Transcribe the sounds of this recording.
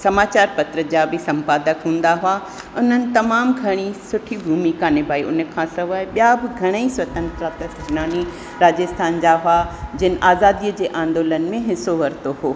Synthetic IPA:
sɐmaːt͡ɕaːɾpɐt̪ɾəd͡ʑabɪsɐ̃mpaːd̪əkɦũːn̆d̪aɦʊa | ʊn̤ənɪ̆t̪ɐmaːmɡʱɐɽ̃isʊʈʰibʱuːmikãːnɪbʱaːiʊnkʰãsɐʋaːɪɓijabɪɡʱɐɽ̃əisʋɐt̪ə̃nt̪ɾat̪ɐsɪɡnaːni | ɾaːd͡ʑəst̪ʰaːnd͡ʑaɦʊad͡ʑɪnɪ̆ʔaːzaːd̪iəd͡ʑeːʔãːnd̪oːlənɪ̆mẽɦɪsoʋɐɾt̪oɦoː

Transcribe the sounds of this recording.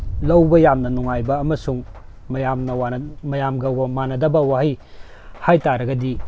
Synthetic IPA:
lɐwbɐjamnɐnuŋajbɐːmɐsuŋ | mɐjamnɐwanmɐjamɡɐmanɐdɐbɐwahi | hajtaɾɐɡɐdi

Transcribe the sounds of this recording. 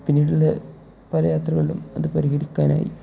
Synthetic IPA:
pinːiːɽilːɐ | pɐlɐjaːt̪rɐɣɐɭilṵmɐðɨpɐɾiɦɐɽikʲːaːna̰ːjḭ

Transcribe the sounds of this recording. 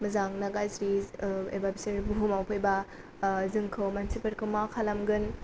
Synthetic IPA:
mɐzaŋnaɡazɾiḛbabiseɾbuɦumawpʰojba | zɯŋkʰɯwmansipɐɾkʰɯmakʰalamɡɯn

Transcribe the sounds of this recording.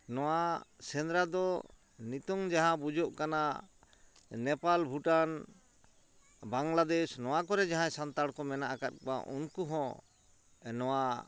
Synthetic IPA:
nɔwasɛnd̪ɾad̪ɔ | nit̪ɔŋd͡ʒaɦãbud͡ʒɔʔkana | nɛpalbʱuʈan | baŋlad̪ɛsnɔwakɔɾɛd͡ʒaɦãɛsant̪aɽkɔmɛnaʔakat̪̚k̚a̰ʔunkuɦɔ̃ | nɔwa

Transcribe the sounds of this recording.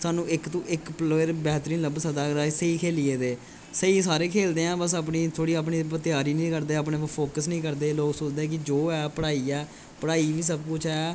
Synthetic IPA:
saːnũːɪkt̪õːʔɪkploɾbɛːɦt̪ɾiːnləbsəd̪aːɾaːsəiːkʰeːliːeːd̪eː | səiːsaːɾeːkʰeːld̪eːãːbəs̬aːp̬niːt̪ʰoːɽiːaːp̬ɳiːpət̪ɪjaːɾiːnĩːkəɾd̪eːaːp̬ɳeːpʰoːkəsnĩːkəɾd̪eːloːksʊt͡ʃd̪eːkɪd͡ʒoːɛːpəɽaːiːɛː | pəɽaːiːʋiːs̬əb̚kʊt͡ʃʰː

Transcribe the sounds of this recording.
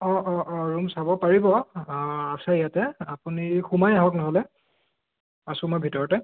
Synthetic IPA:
ɔʔɔɔɹumsabɔpaɹibɔ | asaijatɛapunixumajaɦɔknɔɦɔlɛ | asʊ̃mɔjbʱitɔɹɔtɛ

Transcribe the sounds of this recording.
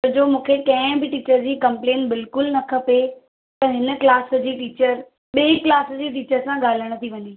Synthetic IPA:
d͡ʑoːmũːkʰekɐ̃ɦɪ̃bɪʈiːt͡ɕəɾd͡ʑiːkɐ̃mplẽːnbɪlkʊlnɐkʰɐpe | p̪ɐɦɪnə̆klaːs̆d͡ʑiːʈiːt͡ɕəɾ | ɓeːklaːsd͡ʑiːʈ̬iːt͡ɕəɾsãɠaːl̤əɽ̃t̪ʰiʋɐɲiː

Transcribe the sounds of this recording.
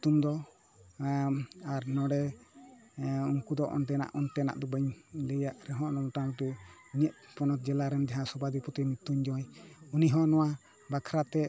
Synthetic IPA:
t̪umd̪ɔ | aɾnɔɽɛ | uŋkud̪ɔʔɔ̰nʈɛna̰ʔɔnʈɛna̰ʔd̪ɔbəɲlɛjaʔɾɛɦɔ̃ʔnɔmɔtat̪uɲɛʔ̚ | pɔnɔt̪̚d͡ʒɛlaɾɛnd͡ʒaɦãsɔbad̪ipɔt̪imit̪uɲd͡ʒɔjuniɦɔ̃nɔwa | bakʰɾat̪ɛ

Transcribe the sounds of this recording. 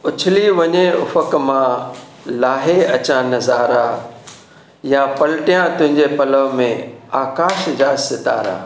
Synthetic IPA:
ʊt͡ɕʰɪliʋɐɲeʊ̰fəkmã | laːɦeɐt͡ɕãnɐzaːɾa | jãpɐlɪʈijãt̪ʊ̃ɦɪ̃ɲd͡ʑepɐləʋmẽaːkaːʃd͡ʑaːsɪt̪a̰ːɾa̰ː

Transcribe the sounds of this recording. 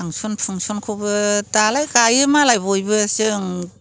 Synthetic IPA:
aŋsɔnpʰuŋsɔnkʰobɯtalajkajɯmalajbojbɯsɯŋ

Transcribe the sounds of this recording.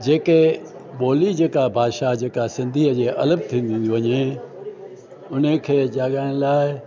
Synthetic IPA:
d͡ʑeːkeɓoːlid͡ʑeːkabʱaːd̪ʃad͡ʑeːkasɪ̃nd̪ʱiːɦəd͡ʑeːʔɐləb̚t̪ʰĩːnd̪ʱĩːnd̪juʋɐɲe | ʊnəkʰeːd͡ʑaːɠaːɪɽ̃laːɪ

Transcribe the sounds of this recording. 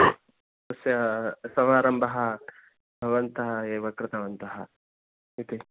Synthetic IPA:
sɐsjɐsɐmaːɾɐmbʱɐɦɐ | bʱɐʋɐnt̪ɐɦɐeːʋɐkɾɪt̪ɐʋɐnt̪ɐɦɐ | it̪i

